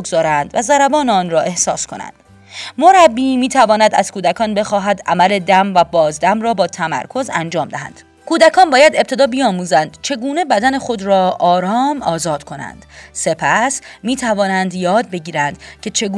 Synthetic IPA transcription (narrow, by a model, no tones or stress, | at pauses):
ɡzɒːɾænd̪væzæɾæbɒːneɒːnɾɒːʔe̞hsɒːskʰo̞̰næ̰nd̪̥ | mo̞ɾæbːiːmiːt̪ʰævɒːnæd̪æ̰z̥kʰuːd̪ækʰɒːnbe̞xɒːɦæd̪ʔæmæle̞d̪æmvæbɒːzd̪æmrɒːbɒːt̪ʰæmæ̰ɾkʰo̞zænd͡ʒɒːmd̪æɦæ̰nd̪̥ | kʰuːd̪ækʰɒːnbɒːjæd̪e̞p̚t̪ʰe̞d̪ɒːbijɒːmuːzænd̪̥t͡ʃʰe̞ɡuːne̞bæd̪æne̞χo̞d̪ɾɒːʔɒːɾɒːmɒːzɒːd̪̥kʰo̞næ̰nd̪̥se̞pʰæsmiːt̪ʰævɒːnænd̪jɒːd̪̚be̞ɟiːɾænd̪̥cʰe̞t͡ʃʰe̞ɡuː